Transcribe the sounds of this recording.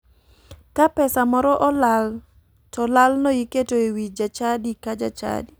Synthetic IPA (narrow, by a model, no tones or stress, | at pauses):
kapɛsamɔɾɔʔɔlal | tɔlalnɔjiketoewid͡ʒat͡ʃadikad͡ʒa̰t͡ʃa̰di